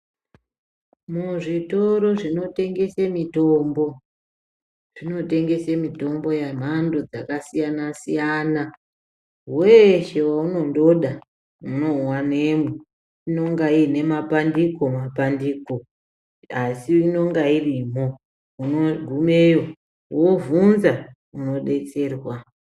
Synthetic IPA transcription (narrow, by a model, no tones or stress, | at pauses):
muʐitoɾo̞ʐino̞te̞ŋɡe̞semito̞ːmbo̞ | ʐ̥ino̞te̞ŋɡe̞semito̞mbo̞jam̤ando̞d͡zakasijanasijaːna | weʃe̞wauno̞ndo̞ɗa | uno̞wanemwe | ino̞ŋɡaine̞mapandiko̞mapandiːko̞ | asiino̞ŋɡairimo̞ | unoɡʱume̞jo | wovunza | uno̞ɗe̞t͡se̞ːrwa